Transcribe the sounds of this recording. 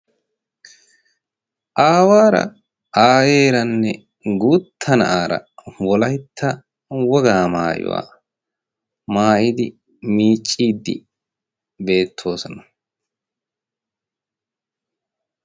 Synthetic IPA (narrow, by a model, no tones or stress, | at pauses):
ʔaːwaːɾɐ̰ | aːjeːɾɐnːɛ | ɡuːt̪ʰːɐnɐʔaːɾɐ̰wɔlɐjt̪ʰːɐ | wɔɡaːmaːjʊ̰wa̰ː | maːjɪd̪ɪ | miːt͡ʃʼːiːd̪ːɪ̰ | be̞ːt̪ʰːo̞ːsɔnɐ̥